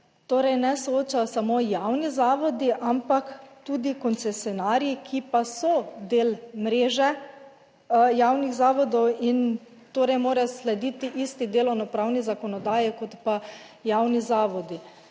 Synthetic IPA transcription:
t̪oːɾɛjnɛsooːt͡ʃajɔsamoːjawnizaːʋɔd̪iʔampakt̪uːd̪ikɔnsɛsjɔnaːɾjikʰipasɔd̪eːlmɾeːʒɛ | jaːwniɣzaːʋɔd̪ɔwin | t̪oːɾɛjmoːɾaslɛd̪iːt̪iʔist̪id̪eːlɔwnɔpɾaːwnizakɔnɔd̪aːjikɔt̪pa | jawnizaːʋɔd̪i

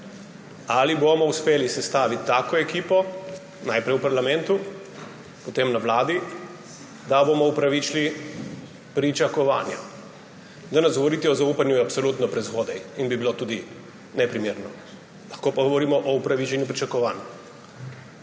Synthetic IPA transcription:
alibomɔuspeːlisɛst̪aːʋit̪ːaːkɔɛkiːpɔ | najpɾɛjupaɾlamɛnt̪u | pɔt̪emnaʋlaːd̪i | d̪abomɔupɾaʋit͡ʃli | pɾit͡ʃakɔʋa̰ːnja | d̪anɛzɡɔʋɔɾiːt̪iɔzaupanjuapsɔlut̪nɔpɾɛzɣoːd̪ɛjinbibilot̪uːd̪i | nɛpɾimeːɾnɔ | lɐxkopaɡɔʋɔɾiːmɔʔɔupɾaʋit͡ʃɛnjupɾit͡ʃakɔʋaːna

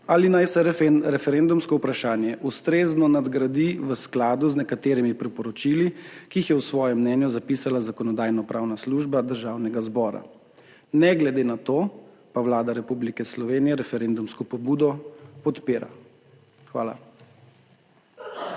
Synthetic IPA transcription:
aːlinajsɛɾɛfɛɾend̪umskɔupɾaʃaːnjɛʔust̪ɾeːznɔnad̪ɡɾad̪iʋəsklaːd̪uznɛkat̪eːɾimipɾipɔɾɔt͡ʃiːlikiːxjɛwsʋɔːjɛmːnɛnjuzapiːsalazakɔnɔd̪aːjnɔpɾʔaːwnasluʒbad̪əɾʒaːwnɛɡazbɔːɾa̰ | nɛɡlɛd̪eːnat̪oː | pawlaːd̪aɾɛpublikɛslɔʋeːnijɛɾɛfɛɾeːnd̪umskɔpɔbuːd̪ɔpɔt̪peːɾa̰ | xʋa̰ːla̰

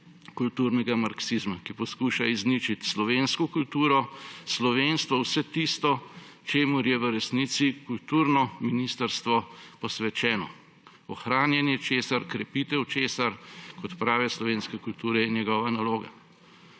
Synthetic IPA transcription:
kult̪uɾnɛɡamaɾksizmakipɔskuːʃaiznit͡ʃit̪slɔʋeːnskɔkult̪uːɾɔslɔʋeːnst̪ʋɔwsɛt̪ist̪ɔ | t͡ʃeːmuɾjɛʋəɾɛsniːsikult̪uːɾnɔminist̪əɾst̪ʋɔpɔsʋɛt͡ʃɛːnɔ̰ | ɔxɾaːnjɛnjɛt͡ʃeːsaɾkɾɛpit̪ɛwt͡ʃeːsaɾkɔt̪pɾaːʋɛslɔʋeːnskɛkult̪uːɾɛinjɛɡɔːʋanaloːɡa̰

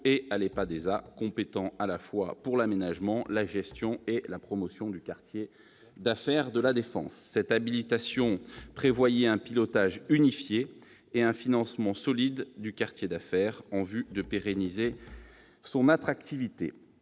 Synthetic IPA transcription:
ealepad̪ezakɔ̃pet̪ɑ̃alafwa̰puʁlamenaʒmɑ̃laʒɛst̪jɔ̃elapχɔmɔsjɔ̃d̪ykaʁt̪je | d̪afɛʁd̪əlad̪efɑ̰̃sːɛt̪abilit̪asjɔ̃pχevwajɛɛ̃pilɔt̪aʒynifjeː | ɛ̃finɑ̃smɑ̃sɔlid̪ːykaʁt̪jed̪afɛʁɑ̃vyd̪əpeʁenize | sɔ̃nat̪χakt̪ivit̪ḛ

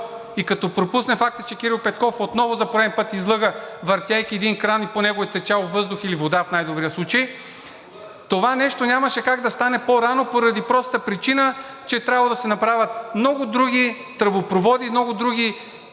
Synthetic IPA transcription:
ikɐt̪ɔpɾopusnɛfak̚t̪ə̥t͡ʃɛkʲiɾilˠpɛt̪̚kɔfot̪nɔvʊzɐpoɾɛd̪ɛnpɤt̪izlˠɤɡəvɐɾt̪ʲjajkʲiɛd̪inkɾaniponɛɡoit̪ɛt͡ʃalˠvɤzd̪ʊxilivod̪afnajd̪obɾijəslˠut͡ʃəj | t̪ovanɛʃt̪onʲamɐʃɛkaɡd̪ɐst̪anɛpoɾanopoɾɐd̪ipɾɔst̪əpɾit͡ʃinə | t͡ʃɛt̪ɾʲabvəd̪ɐsɛnɐpɾavʲɐt̪mnɔɡʊd̪ɾuɡʲi | t̪ɾəbopɾovɔd̪iːmnɔɡʊd̪ɾuɡʲi

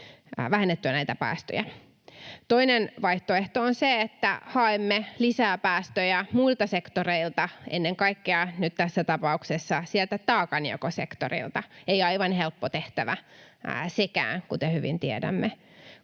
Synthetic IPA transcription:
ʋæhenːet̪ːyænæit̪æpæ̰ːst̪ø̰jæ | t̪oinenʋɑiht̪oeht̪oonseet̪ːæ̰hɑemːelisæːpæːst̪øjæmuilt̪ɑsekt̪oreilt̪ɑʔenːeŋkɑikːeɑnyt̪t̪æsːæt̪ɑpɑuksesːɑsielt̪æt̪ɑːkɑniokosekt̪o̰rḭlt̪ɑeiɑiʋɑnhelpːot̪eht̪æʋæ | sekæ̰ːnkut̪ehyʋḭnt̪iedæ̰mːe

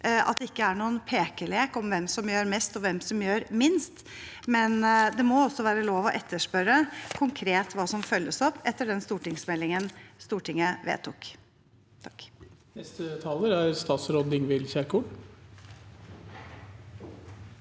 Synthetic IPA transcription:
ɑ̰t̪̚d̪ɛɪkːəæɳuːənpʰeːkəɭeːkɔmʋɛmsɔmjøːɾmɛst̪ɔʋɛmsɔmjøːɾmɪnst̪ | mɛnd̪ɛmɔɔsːɔʋæːɾəloːʋɔʔɛt̪ʰːəʂpœɾəkʰʊŋkʰɾeːt̪ʋɑːsɔmfœlːəsɔpːɛt̪ːəɖɛnst̪uːʈɪŋsmɛlːɪŋənst̪uːʈɪŋːəʋḛːt̪ʰʊk | t̪ʰɑknɛst̪ət̪ʰɑləɾæɾst̪ɑːt̪sɾɔd̪ɪŋʋɪlçækuɳ

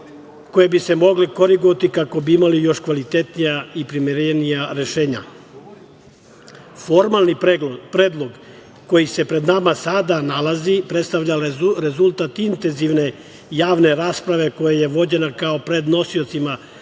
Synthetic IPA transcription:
ko̞jebise̞mo̞ɡliko̞ɾiɡot̪ikako̞biimalijo̞ʃkʋalit̪e̞t̪nijaipɾimiɾenijaɾe̞ʃeːɲa̰ | fo̞ɾmalˠnipɾeːd̪lˠo̞ɡ | ko̞jise̞pɾe̞d̪namasad̪analazipɾet̪st̪aʋʎaɾezulˠt̪at̪int̪enziʋne̞ | jaːʋne̞ɾaːspɾaʋe̞ko̞jaje̞ʋo̞d͡ʑe̞nakao̞pɾe̞d̪no̞sio̞t̪sima

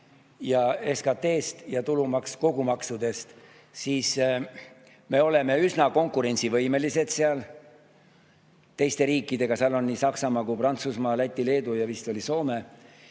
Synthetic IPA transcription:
jɑeskɑt̪ːe̞ːst̪jɑt̪ulumɑksko̞ɡ̥umɑksud̪e̞st̪ | siːs | me̞o̞le̞me̞ysnɑko̞ŋkːˑuɾe̞nʲsivɤjme̞lise̞d̪̥seɑl | t̪e̞jst̪e̞ɾiːkːˑid̪e̞ɡ̥ɑseɑlo̞nːisɑksɑmɑːkuprɑnt̪susmɑːlæt̪ʲːile̞ːd̪ujɑvist̪o̞lʲiso̞ːme̞

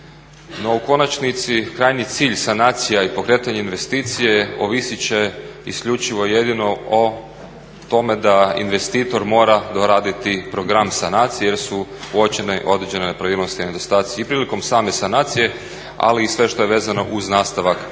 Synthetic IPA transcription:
no̞uko̞nat͡ʃnit̪sikɾajnit̪siːʎsanaːt̪sijaipo̞kɾe̞ːt̪aɲeinʋe̞st̪iːt̪sijeoʋisit͡ɕeiskʎut͡ʃiʋo̞jed̪ino̞o | t̪o̞me̞d̪aḭnʋe̞st̪iːt̪o̞ɾmo̞ːɾad̪o̞ɾaːd̪it̪ipɾo̞ɡɾamsanaːt̪sijejeɾsuuot͡ʃeneʔo̞d̪ɾed͡ʑe̞nene̞pɾaʋiːlˠno̞st̪iined̪o̞st̪aːt̪sijipɾiːliko̞msaːme̞sanaːt̪sije̞ | a̰liːsʋe̞ʃt̪o̞je̞ʋe̞ːzano̞ʔuznaːst̪aʋak

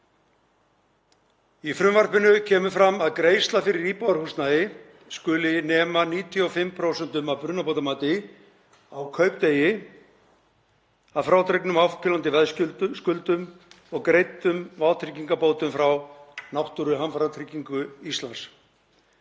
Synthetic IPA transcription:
ifɾʏmvaɾ̥pɪnʏcʰɛːmʏfɾamːaðkɾeːjst̪lafɪɾɪɾiːpawaɾhust̪naðɪ | skʏːlɪnɛːmaniːt̪ʰiɔfɪmpʰɾowsɛnt̪ʏmawpɾʏnapowt̪amaːt̪ɪ | awkʰœːɥpt̪eːjɪ | aðfɾawt̪ʰɾejknʏmawfkɪlant̪ɪvɛðsʏskʏlt̪ʏm | ɔɣkɾejt̪ʏmvaːwt̪ʰɾɪciŋkapoːwt̪ʏmfɾawnawht̪ʏɾʏɦamfaɾat̪ʰɾɪciŋkʏist̪lans

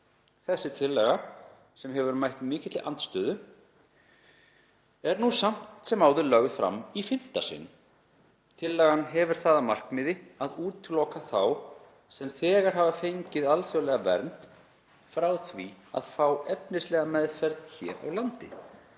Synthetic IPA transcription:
θɛsːɪt̪ʰɪlːɛɣa | sɛmɦɛvʏɾmajht̪mɪːcɪt̪lɪʔant̪st̪œːðʏ | ɛɾnusam̥t̪sɛmaːwðʏɾlœɣðfɾa̰mːifɪn̥t̪asɪ̰nː | t̪ʰɪlːɛɣanɦɛvʏɾ̥θaːðamar̥kmɪːðɪaðuːt̪ɪlowkaθaw | sɛmθɛːɣaɾ̥ɦavafejɲcɪðalθjœlɛɣavɛ̰ɾnt̪ | fɾawθvia̰ðfawɛpnɪslɛɣamɛðfɛɾðçɛ̰ːɾa̰wlant̪ɪ

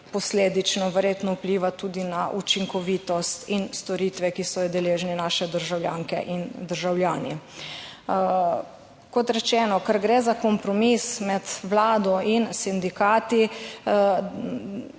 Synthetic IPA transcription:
pɔsleːd̪it͡ʃnɔʋəɾjeːt̪nɔupliːʋat̪uːd̪inaʔut͡ʃiŋkɔʋiːt̪ɔst̪inst̪ɔɾiːt̪ʋɛkisɔjd̪ɛleːʒninaːʃɛd̪əɾʒawljaːŋkɛ̰ʔind̪əɾʒawljaːni | kɔt̪ɾɛt͡ʃɛːnɔkaɾɡɾɛːzakɔmpɾɔmismɛt̪ʋlaːd̪ɔinsind̪ikaːt̪i

